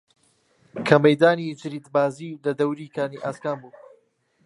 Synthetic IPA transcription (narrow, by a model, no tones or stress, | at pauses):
kʰɐmɐjd̪aːnid͡ʒɨɾiːd̪baːziːlɐd̪ɐwɾiːkʰaːniʔaːskaːmbuː